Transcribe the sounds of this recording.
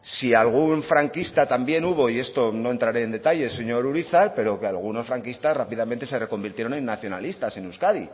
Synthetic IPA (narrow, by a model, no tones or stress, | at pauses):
sialɣ̞uɱfɾaŋkist̪at̪ambje̞nuβo̞ie̞st̪o̞no̞e̞nt̪ɾaɾe̞ːnd̪e̞t̪aʎe̞se̞ɲo̞ɾuɾiθaɾpe̞ɾo̞kealɣ̞uno̞sfɾaŋkist̪asrapiðamẽnt̪e̞se̞re̞ko̞mbiɾt̪jeɾo̞nẽ̞nːaθjo̞na̰list̪ase̞nuskaði